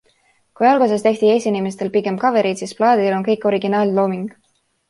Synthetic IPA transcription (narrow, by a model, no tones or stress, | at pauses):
kujɑlɡ̥us̬est̪e̞ht̪iejsinʲimes̬t̪e̞lpiɡe̞mkɑve̞ɾid̪sisplɑːd̪̥ilo̞nkɤ̞jkːˑo̞ɾiɡ̥inɑːlʲlo̞ːmiŋɡ̥